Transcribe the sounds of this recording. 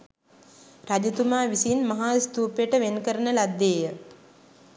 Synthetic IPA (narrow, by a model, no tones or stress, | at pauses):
ɾad͡ʒut̪umaːʋisiːnmɐɦaːst̪uːpejəʈəʋenkəɾənəlad̪ːeːjə